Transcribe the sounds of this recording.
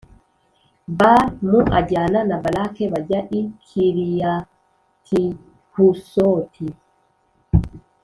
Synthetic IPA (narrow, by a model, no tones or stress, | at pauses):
baɾnuʔa̰ɟaːnanabalakeβaɟaʔikʰiɾija | tʰi | husotʰi